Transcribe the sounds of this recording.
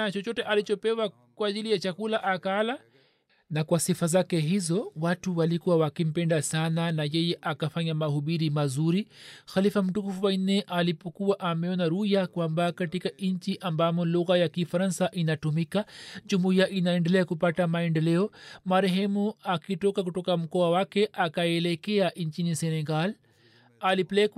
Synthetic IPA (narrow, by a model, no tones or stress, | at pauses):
t͡ʃɔt͡ʃɔtɛʔalit͡ʃɔpɛwa | kwaːʄilijat͡ʃakulaʔakala | nakwasifazakɛɦizɔwatuwalikuwawakim̩pɛndasananajɛjɛʔakafaɲamahuɓiɾimazuɾixalifam̩tukufuwainɛʔalipɔkuwaʔamɛɔnaɾujakwambakatikaɲt͡ʃiʔambamɔluɣajakifaɾansaʔinatumikad͡ʒumuiaʔinaɛndɛlɛakupatamaɛndɛlɛɔmaɾɛɦɛmuakitɔkakutɔkam̩kɔawakɛʔakaɛlɛkɛaʔɲt͡ʃinisɛnɛɡal | alipɛlɛk